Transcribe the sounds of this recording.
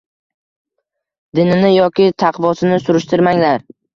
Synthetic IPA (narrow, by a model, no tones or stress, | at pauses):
d̪ɪnɪnɪjɒkʲɪt̪ʰɑqvɒsɪnɪsʊɾɪʃt̪ʰɪɾmaŋlaɾ